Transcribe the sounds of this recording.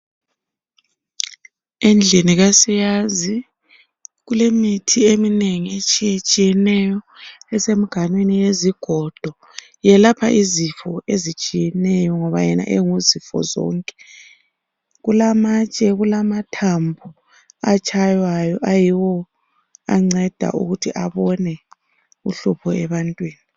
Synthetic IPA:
end͡ɮʱiniɣasijazi | ɣulemitʰiemineŋiet͡ʃʼijet͡ʃʼijɛnɛjɔ | ɛsem̩ɡ̥ʱanwenijeziɡ̥ʱɔd̥ʱɔ | jɛlapʰa̰ʔizifɔezit͡ʃʼijɛnɛjɔŋɔβajɛna̰ʔeŋuzifɔ̰zɔ̰ːŋkʼɛ̥ | ɣulamat͡ʃʼɛɣulamatʰambʱu | at͡ʃʰʼajwajɔʔajiwɔ | a̰ŋ͡ǀɛd̥ʱa̰ʔṵɣutʰiʔaβɔnɛ | uɬupʰɔɛβantʼwiːni

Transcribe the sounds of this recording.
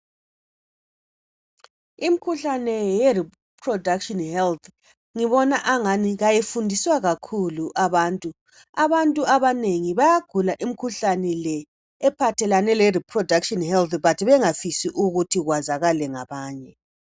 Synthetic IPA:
imikʰuɬanɛjɛri | pʰrɔdakʃɔnhɛlt̪ʰ | ŋiβɔnaʔaŋaniɣajefundʱiswaɣakʰuluʔaβaːntʼu | aβantʼuaβaneŋiβajaɡ̥ʱulaʔim̩kʰuɬanɛlɛː | pʰatʰɛlanɛlɛripʰrɔdʱakʃɔnhɛlt̪βatʰiβɛŋafisiʔuɣutʰiɣwazaɣalɛŋaβaːɲɛ

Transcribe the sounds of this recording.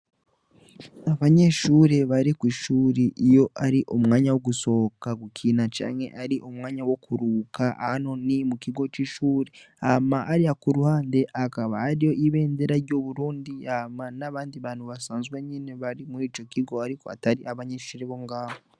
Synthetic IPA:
aβaɲe̞ʃuːɾe̞βaɾikwiːʃuːɾiʔijo̞ʔaɾiʔomŋaːɲawo̞ɡuso̞kaɡukʰiːnat͡ʃa̰ːɲhe̞̰ʔaɾiʔomŋaːɲawo̞kuɾuːkaa̰hano̞nimukiɡo̞t͡ʃiːʃuːɾe | amaʔaɾiakuɾuhaːnde̞ʔakaβaːɾijo̞ʔiβe̞ːndeɾaɾɟo̞ːβuɾuːndiamanaβaːndiβaːn̥huβasaːnzɡweɲine̞βaɾimuɾiːt͡ʃo̞kiɡo̞aɾiko̞a̰taɾiʔaβaɲe̞ːʃuːɾeβo̞ŋɡaːβo

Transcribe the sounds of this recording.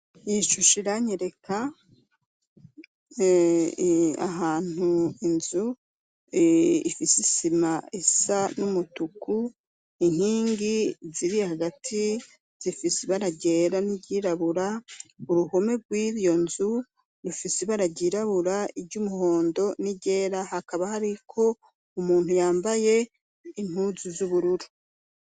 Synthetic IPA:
iʃuʃiɾaɲeɾe̞ka | a̰ɦaːn̥uinzu | ḭfisisimaesanumutuku | iŋ̥hiːŋɡiziɾihaɡatʰi | z̥ifiseβaɾaɟe̞ːɾaniɟiːɾaβuɾauɾuho̞me̞ɡwiːɾjo̞nzu | ɾufiseβaɾaɟiːɾaβuɾaiɟumuho̞ːndo̞niɟe̞ːɾahakaβahaɾikʰo̞ | umuːn̥hujaːmbaje̞ | inhuzuzuβuɾuɾu

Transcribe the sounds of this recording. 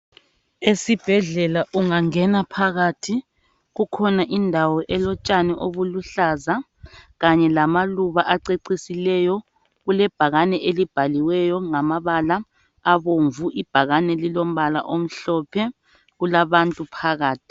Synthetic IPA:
esib̥ʱɛɮɛlaʔuŋaŋɛnapʰaɣatʰi | ɣukʰɔnaʔindʱawɔʔɛlɔt͡ʃʼanɛʔoβuluɬaza | ɣaɲɛlamaluβaʔaǀeǀisilɛjɔ | ɣulɛb̥ʱaɣanɛʔelib̥ʱaliwɛjɔŋamaβalaː | βoɱvuʔib̥ʱaɣanɛlilom̩βala̰ʔom̩ɬɔpʰɛ | ɣulaβantʼupʰaɣaːtʰi̥

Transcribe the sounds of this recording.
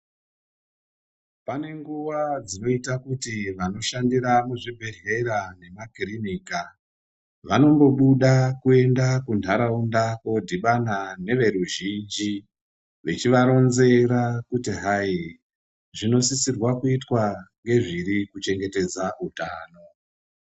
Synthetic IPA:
pane̞ŋɡuʋad͡zino̞itakutiʋano̞ʃandiɾamuʐibʱe̞re̞rane̞makiriniːka | ʋano̞ŋɡo̞ɓuɗakue̞ndakund̤ʱaɾaundako̞dʱiɓanane̞ʋe̞ɾuʒind͡ʒi | ʋet͡ʃiʋaɾo̞nze̞ɾakutiɦai | ʐino̞sisirwakuitwaŋɡe̞ʐiɾikut͡ʃe̞ŋɡe̞te̞d͡zautaːno̞

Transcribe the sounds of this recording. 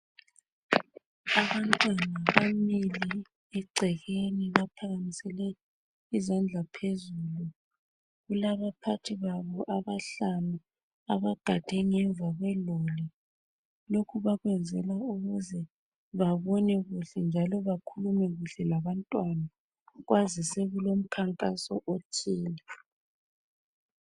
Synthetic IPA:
aβantʼwanaβamili | ɛɡ͡ǀʱɛɣeniβapʰaɣamisɛlɛ | izand͡ɮʱapʰezuːlu | ɣulaβapʰatʰiβaβɔʔaβaɬanu | aβaɡ̥ʱad̥ʱɛŋɛɱb̪vʱaɣwɛloli | lokʰuβaɣwɛnd͡zʱɛlauɣuzɛ | βaβɔnɛɣuɬɛnd͡ʒʱalɔβakʰulumɛɣuɬɛlaβantʼwana | ɣwazisɛɣulom̩kʰaŋkʼasɔ̰ʔot͡ʃʰiːni

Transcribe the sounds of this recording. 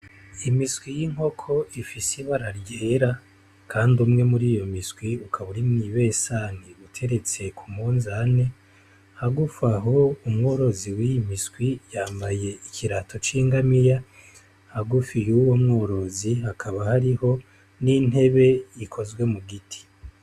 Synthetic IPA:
imisɡwijiŋho̞kʰo̞ʔifisiβaɾaɾjeːɾa | kʰaːndumŋe̞muɾiːjo̞miswiukʰaβuɾimniβe̞ːsaniutʰe̞ɾe̞t͡se̞kʰumuːnzane̞ | haɡufaɦo̞umŋo̞ːɾo̞ziwijimiskwijaːmbaje̞ikʰiɾatʰo̞t͡ʃiːŋɡamija | haɡufijuwo̞mŋoːɾo̞zihakʰaβahaɾiho̞ | nin̥he̞βe̞jikʰo̞zɡwe̞muɡitʰi̥

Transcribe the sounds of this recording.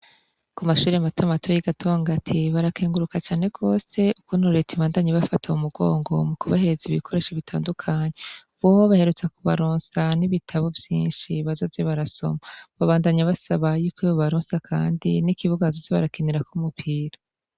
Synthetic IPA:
kumaʃuːɾematomatʰojiɡatʰoːŋɡatʰiβaɾakʰeːŋɡuɾukat͡ʃaːne̞ɡo̞ːse̞ukunuɾetʰiβaːndaɲiβafatʰaumuɡo̞̰ːŋɡo̞̰mukuβahe̞ɾe̞ziβikʰo̞ɾe̞ʃaβitʰa̰ːndukʰaːɲe | βohoβahe̞ɾut͡sakuβaɾoːnsaniβitʰaβovjḭːnʃiβazo̞ːzeβaɾaso̞̰maβaβaːndaɲaβasaβajuːkoeβoβaɾoːnsakʰa̰ːndinikiβuɡazozeβaɾakiniɾakumupʰiːɾa

